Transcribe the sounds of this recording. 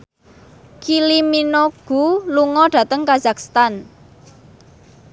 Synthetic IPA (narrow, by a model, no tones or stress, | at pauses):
kiliminoɡ̥ṳluŋɔɖ̥ä̤t̪əŋkazakst̪an